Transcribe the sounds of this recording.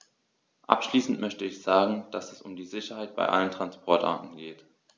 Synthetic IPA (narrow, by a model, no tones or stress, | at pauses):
ʔa̰pʃliːsn̩tmœçtəɪçz̥aːɡŋ̩d̥asɛsʊmdiːzɪçɐhaɪt̚b̥a̰ɪʔa̰ləntʁ̥anspʰɔɐtʔa̰ɐtn̩ɡeːt